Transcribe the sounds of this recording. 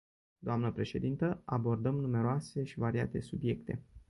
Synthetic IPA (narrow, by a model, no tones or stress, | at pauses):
d̪oamnəpɾe̞ʃe̞̰d̪int̪əʔabo̞rd̪əmnume̞ɾoase̞ʃivaɾiat̪e̞subje̞kt̪e̞